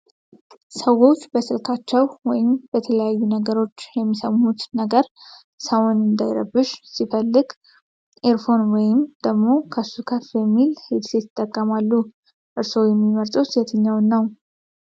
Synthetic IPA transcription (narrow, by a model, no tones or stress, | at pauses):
səwo̞t͡ʃːbəsɨlkʰat͡ʃːɛwwɔjɪmb̥ət̪ʰələjajːunəɡəɾo̞t͡ʃːjɛmːisəmhut̪nəɡəɾ | səwʊnɨnd̪ajɾə̰bɨʃsifəlːɨɡ | ʔeɾfonwɔjɪmd̪əɡmo̞kʰəsukʰəfbɛmːilhed̪set̪ʰɨt̪ʼːəkʼːəmalːu | ʔɨɾso̞jɛmːiməɾt̪ʼəwsiht̪ʰəɲːawnːəw